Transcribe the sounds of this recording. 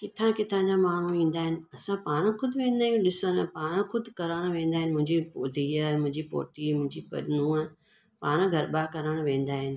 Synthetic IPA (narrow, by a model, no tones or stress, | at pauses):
kɪt̪ʰãkɪt̪ʰãɲd͡ʑamaːɳ̤uĩːn̆d̪aːɦɪnɪ̆ɐsãpaːɽ̃əxʊd̪ʱʋẽːnd̪aːjũɗɪsənɛpaːɽ̃əkʰʊd̪ʱɪkɐɾəɽ̃ʋẽːnd̪aːɦɪnɪ̆mʊ̃ɦɪ̃ɲd͡ʑipoːziəmʊ̃ɦɪ̃ɲd͡ʑipo̰ːʈimʊ̃ɦɪ̃ɲd͡ʑipɐ̰ɗnũ | paːɽ̃əɡʱɐɾɓakɐɾəɽ̃ʋẽːn̆d̪aːɦɪnɪ̆